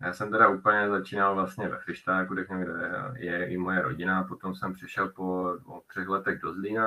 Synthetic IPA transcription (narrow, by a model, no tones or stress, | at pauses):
ja̰ːsɛmt̪ɛɾaupl̩ɲɛzat͡ʃiːnalvlast̪ɲɛvɛ̰xlɪʃt̪aːkuɾɛkɲɛmɡdɛɛjɛʔɪmojɛɾo̞̰ɟɪnapot̪o̞msɛmpr̥ɪʃɛlpoot̪r̥ɛxlɛt̪ɛɣdo̞zliːna